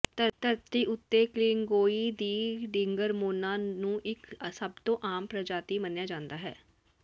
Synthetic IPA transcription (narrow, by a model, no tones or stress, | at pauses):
t̪əɾt̪əɾt̪iːʔʊt̪ːeːklɪːŋɡoːiːd̪iːɖɪ̃ŋɡəɾmoːnãːnũːʔɪksəb̚t̪õːʔaːmpɾəd͡ʒaːt̪iːmənjaːd͡ʒãːnd̪aːɦɛ̰ː